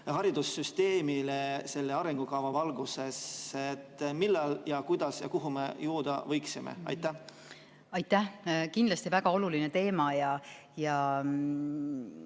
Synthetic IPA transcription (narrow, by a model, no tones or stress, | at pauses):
ɦɑɾid̪̥usːyst̪eːmilese̞lːeɑɾeŋɡ̥ukɑvɑvɑlɡ̥useset̪ːmilːɑljɑkujd̪̥ɑsjɑ̰kuɦumḛjuːd̪̥ɑ̰vɤjksimḛɑ̰jt̪ːˑæh | ɑjt̪ːˑæhkind̪lɑst̪ivæɡ̥ɑo̞luline̞t̪e̞ːmɑjɑ | jɑ